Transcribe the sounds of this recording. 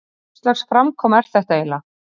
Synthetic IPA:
st̪lɛxsfɾamkʰɔːmɛɾ̥θɛht̪aeːjla

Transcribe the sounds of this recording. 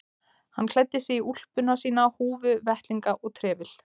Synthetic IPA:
ha̰nːkʰlɛt̪ːɪsɛiul̥pʏnasiːnahuːvʏvɛht̪liŋkaʔɔɣt̪ʰɾɛːvɪl̥

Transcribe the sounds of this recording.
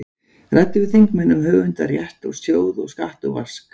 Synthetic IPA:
rajt̪ːɪvɪðθiŋkmɛnːʏmɦœːvʏnt̪aɾjɛht̪ɔ̰ɣsjoːwðɔ̰ɣskaht̪ʏva̰r̥sk

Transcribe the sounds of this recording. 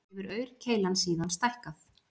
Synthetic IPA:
ɛvʏɾœːɥɾcʰeːjlansiːðanst̪ajhkaθ

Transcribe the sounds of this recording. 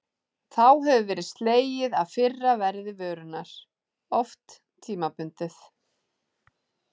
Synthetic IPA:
θawɦɛvʏvɛːɾɪðst̪leːjɪðaðfɪrːavɛɾðɪvœːɾʏnaɾ̥ | ɔft̪ːʰ | iːmapʏnt̪ɪθ

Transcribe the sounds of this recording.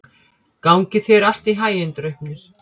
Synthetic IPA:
kaːwŋcɪθɛɾal̥t̪iɦaːjɪnt̪ɾœɥhpnɪɾ̥

